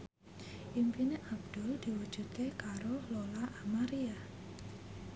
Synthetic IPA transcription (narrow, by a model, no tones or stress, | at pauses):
ʔimpineʔab̚d̪̥ʊ̤ld̪̥i̤wud̥ʒ̥ṳt̪kekaɾololaʔamaɾia